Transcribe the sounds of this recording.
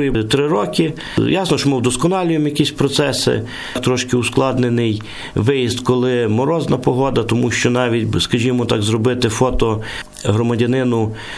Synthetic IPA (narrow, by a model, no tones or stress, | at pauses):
jit̪ɾɪɾɔkɪ | jɑsnɔʃɔmɪwd̪ɔskɔnɑlʲʊjemjɐkʲisʲpɾɔt̪sɛsɪ̰ | t̪ɾɔʃkɪusklˠɑd̪nenɪj | ʋɪjizd̪kɔlˠɪmɔɾɔznɐpɔɦɔd̪ɐt̪ɔmuʃt͡ʃɔnɑʋʲitʲskɐʒʲimɔt̪ɑɡzrɔbɪt̪ɪfɔt̪ɔ | ɦɾɔmɐdʲɐnɪnʊ